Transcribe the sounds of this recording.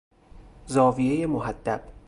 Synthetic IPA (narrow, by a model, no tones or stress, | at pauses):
zɒːvije̞jemohæd̪̥ːæ̰b̥